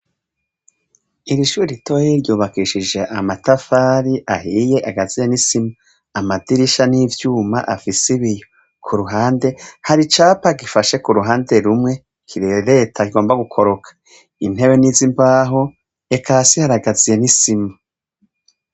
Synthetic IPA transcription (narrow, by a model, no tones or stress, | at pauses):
iɾiʃuːɾiɾito̞jeɾɟuːβakiʃid͡ʒe̞ʔamatafaːɾiʔaɦije̞ʔaɡazijenisima | amadiɾiʃaniːvjuːma̰ʔafisiβijo | kʰuɾuɦaːnde̞haɾit͡ʃaːpaɡifaʃe̞kuɾuɦaːnde̞ɾumŋe̞ | kʰiɾeɾe̞tʰakiɡo̞ːmbaɡukʰo̞ɾo̞kʰḁ | in̥he̞βe̞niːzimbaːɦo | e̞kʰasihaɾaɡazije̞nisima